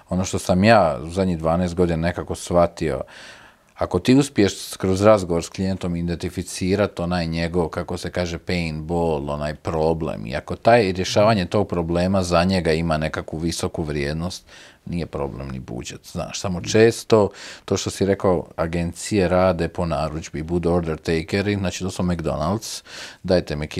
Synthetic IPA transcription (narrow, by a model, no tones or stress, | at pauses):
o̞no̞ʃt̪o̞samjaːuzad̪ɲid̪ʋaːneest̪ɡo̞d̪inane̞kako̞sʋat̪io̰ | ako̞t̪iːuspie̞ʃkɾozɾazɡoʋo̞ɾsklijent̪o̞mid̪ent̪ifit̪siːɾat̪o̞najɲe̞ɡo̞ʋkako̞se̞kaːʒe̞peinbolˠo̞najpɾoːblḛmḭako̞t̪aːjɾje̞ʃaːʋaɲet̪o̞ːɡ̚pɾo̞ble̞ːmazaɲe̞ɡaimane̞kakʋuʋiso̞kuʋɾjeːd̪no̞st̪nije̞pɾo̞̰ble̞̰mnḭbṵd͡ʒet̪zna̰ːʃsamo̞t͡ʃe̞ːst̪o̞t̪oːʃt̪o̞siɾe̞kaoaɡe̞nt̪sijeɾaːd̪e̞po̞naːɾud͡ʒbibud̪uoɾd̪eɾt̪ejkeɾiznaːt͡ʃi̥t̪oːsmomekd̪o̞̰nalˠd̪sd̪ajt̪emeki